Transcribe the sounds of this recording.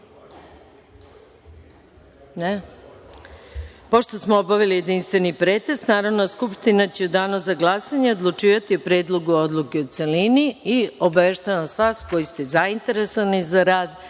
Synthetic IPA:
ne | po̞ʃt̪o̞smoobaʋilije̞d̪inst̪ʋe̞nipɾeːt̪est̪naːɾaʋnoskupʃt̪inat͡ɕeud̪aːnozaɡlˠasaɲeo̞d̪lˠut͡ʃiːʋat̪iopɾe̞ːd̪lˠo̞ɡuo̞d̪lˠuke̞ut̪se̞liniio̞baʋe̞ʃt̪aʋasʋaːsko̞jist̪e̞zaint̪e̞ɾe̞soanizaɾaːd̪

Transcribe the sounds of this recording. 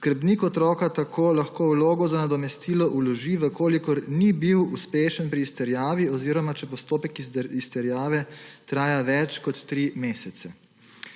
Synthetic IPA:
skəɾbniːkɔt̪ɾɔːkat̪akʰoːlaxkowloːɡɔzanad̪ɔmɛst̪iːlɔʔulɔʒiʋəkʰoːlikɔɾnibiwuspeːʃənpɾiːst̪ɛɾjaːʋiɔziːɾɔmat͡ʃɛpɔst̪oːpɛkiist̪ɛɾjaːʋɛt̪ɾaːjaʋɛt͡ʃkɔt̪ːɾimeːsɛt̪sɛ

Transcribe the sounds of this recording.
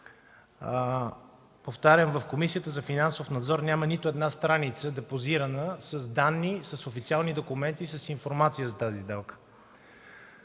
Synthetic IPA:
poft̪aɾʲəmvəfkomisijət̪əzɐfinansofnɐd̪zɔɾnʲjamənit̪oɛd̪nast̪ɾanit̪səd̪ɛpoziɾənəsəzd̪anːisəsofit̪sialˠnid̪okumɛnt̪isəsiɱfoɾmat̪sijəzɐt̪azizd̪ɛlˠkə̥

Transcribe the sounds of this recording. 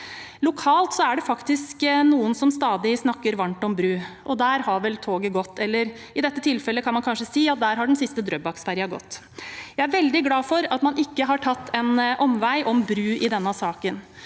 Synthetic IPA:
lʊkʰɑːlt̪sɔæɖɛfɑkt̪ɪsknuːənsɔmst̪ɑːd̪ɪsnɑkːəɾʋɑɳʈɔmbɾʉːʔɔd̪æːɾhɑɾʋɛlt̪ʰoːɡəɡɔt̪ːɛlːəɾ | ɪd̪ɛt̪ːət̪ʰɪlfɛlːəkʰɑnmɑnkʰɑnʂəsiːɑt̪̚d̪æːɾɦɑɖɛnsɪst̪əd̪ɾœbɑksfæɾɪɑɡɔ̰t̪ː | jæɪæɾʋɛld̪ɪɡlɑːfɔɾɑt̪mɑnʔɪkːəɦɑʈʰɑt̪ːɛnʔɔmʋæɪʔɔmbɾʉːʔɪd̪ɛnːəsɑːkən

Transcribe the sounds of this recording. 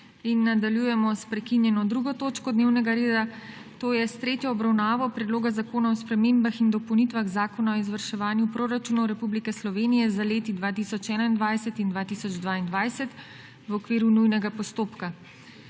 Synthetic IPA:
inːad̪aljujɛmɔspɾɛkinjɛnɔd̪ɾuɡɔt̪oːt͡ʃkɔd̪newnɛɡaɾeːd̪a | t̪oːjɛst̪ɾeːt̪jɔːbɾawnaːʋɔpɾɛd̪loːɡazakoːnaɔspɾɛmembaxind̪ɔpownit̪ʋaɣzaːkɔnaɔizʋəɾʃɛʋaːnjupɾoːɾat͡ʃuːnawɾɛpublikɛslɔʋeːnijɛzaleːt̪id̪ʋaːt̪isɔt͡ʃɛːnaind̪ʋajsɛt̪ind̪ʋaːt̪isɔd͡ʒd̪ʋaːind̪ʋaːjsɛt̪ | ʋɔkʋiːɾunujnɛɡapɔst̪oːpka

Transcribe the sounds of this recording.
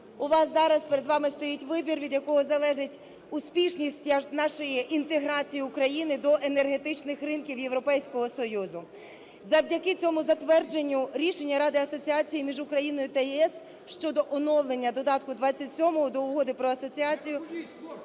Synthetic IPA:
ʊʋɑsːɑɾɐspeɾe̞d̪ʋɑmɪst̪ɔjitʲʋɪbʲirʋʲid̪jɐkɔɦɔzɐlˠɛʒɪtʲ | ʊspʲiʃnʲisʲtʲnɑʃɔjiʔint̪eɦɾɑt͡sʲijiʊkɾɐjinɪd̪ɔʔenerɦe̞t̪ɪt͡ʃnɪxrɪnkʲiwje̞ʋɾɔpɛjsʲkɔɦɔsɔjuzʊ | zɐwdʲɐkɪt͡sʲɔmʊzɐt̪ʋɛrd͡ʒe̞nʲːʊɾʲiʃe̞nʲːɐɾɑd̪ɪɐsɔt͡sʲiɑt͡sʲijimʲiʒʊkɾɐjin̪ɔjʊt̪ɐjiɛs | ʃt͡ʃɔd̪ɔʔɔnɔwlˠenʲːɐd̪ɔd̪ɑt̪kʊd̪ʋɑt͡sʲːɐtʲsʲɔmɔɦɔd̪ɔʊɦɔd̪ɪpɾɔɐsɔt͡sʲiɑt͡sʲijʊ

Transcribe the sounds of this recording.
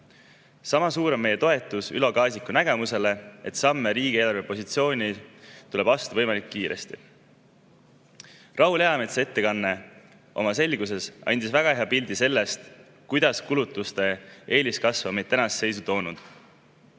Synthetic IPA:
sɑmɑsuːɾe̞me̞je̞t̪o̞et̪ːˑusy̰lo̞kɑːsikːˑunæɡ̥e̞muse̞le̞e̞t̪sɑmːe̞ɾiːɡ̥ʲie̞ːlɑrvepo̞sit̪sio̞ːnʲit̪ule̞b̥ɑst̪uvɤ̞jmɑlikːiːɾe̞̰st̪ḭ | rʔɑɦule̞ɑme̞t̪see̞t̪ːe̞kɑnːe̞ | o̞̰mɑse̞lɡ̥use̞sɑ̰nʲd̪̥isvæɡ̥ɑheɑpilʲd̪̥ise̞lːe̞st̪ | kujd̪̥ɑskulut̪ːˑust̪e̞e̞ːlʲiskɑsvɑmet̪ːænɑsːe̞jsut̪o̞ːnud̪̥

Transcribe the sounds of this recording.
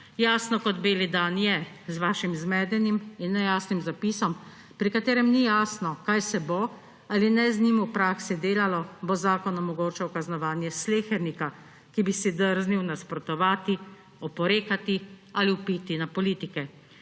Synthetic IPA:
jaːsnɔkɔd̪beːlid̪anjɛ | zʋaːʃimzmɛːd̪ɛniminːɛjaːsnimzapiːsɔm | pɾikat̪eːɾɛmnijaːsnɔkajsɛbo | alinɛzniːmuwpɾaːksid̪eːlalɔbozaːkɔnɔmɔɡoːt͡ʃɛwkaznɔʋaːnjɛsleːxɛɾnika | kibisid̪əɾzniwnaspɾɔt̪ɔʋaːt̪i | ɔpɔɾeːkat̪ialiupit̪inapɔliːt̪ikɛ

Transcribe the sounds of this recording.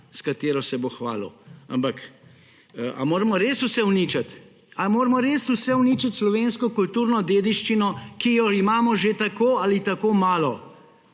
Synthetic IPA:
skat̪eːɾɔsɛboxʋa̰ːlɔ̰a̰mpakː | a̰moːɾɛmɔɾeːsusɛwnit͡ʃat̪ | amoːɾmɔɾeːsusɛwnit͡ʃat̪slɔʋeːnskɔkult̪uːɾnɔd̪eːd̪iʃt͡ʃinɔkijɔimaːmɔʒet̪akoːalit̪akoːmaːlɔ

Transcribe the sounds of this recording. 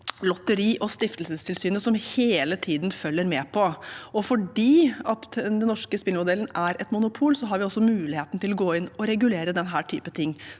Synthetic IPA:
lɔt̪ːəɾiːʔɔst̪ɪft̪əlsəst̪ʰɪlsyːnəsɔmheːlət̪ʰiːd̪nfœlːəɾmeːpʰɔɔfɔɖiːɑt̪d̪ɛnːɔʂkəspɪlmʊd̪ɛlːənæɾɛt̪mʊnʊpʰuːlsɔɦɑɾʋɪɔsːɔmʉːlɪheːt̪nt̪ɪlɔɡoːɪnɔɾɛɡʉleːɾəd̪ɛnɦæːʈʰy̰ːpət̪ʰɪŋː

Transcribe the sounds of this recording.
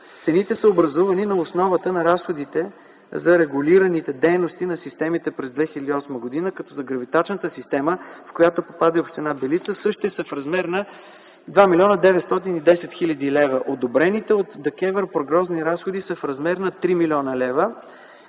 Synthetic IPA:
t̪sɛnit̪ɛsəobɾɐzuvɐninɐosnɔvət̪ənɐɾasxod̪it̪ɛ | zɐɾɛɡʊliɾənit̪ɛd̪ɛjnost̪inɐsist̪ɛmit̪ɛpɾɛzd̪vɛxilʲɐd̪iɔsməɡod̪inəkɐt̪ɔzɐɡɾɐvit̪at͡ʃnət̪əsist̪ɛməfkojat̪opopad̪əopʃt̪ɛnabɛlit̪səsɤʃt̪ɛsəfɾɐzmɛɾnə | d̪vamilʲɔnəd̪ɛvɛt̪st̪ɔt̪inid̪ɛsɛt̪xilʲɐd̪ilɛvəʔod̪obɾɛnit̪ɛot̪d̪ɛkɛvɛɾpɾoɡɾɔzniɾasxod̪isəfɾɐzmɛɾnɐt̪ɾimilʲiɔnəlɛvə

